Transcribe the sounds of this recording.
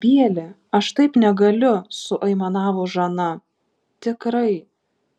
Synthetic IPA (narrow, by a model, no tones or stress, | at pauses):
bʲiɛlʲɪ | ɐʃt̪ɐɪpnʲɛɡɐlʲʊsʊʔɐɪmɐnɑːʋoːʒɐnɐ | t̪ʲɪkɾɐɪ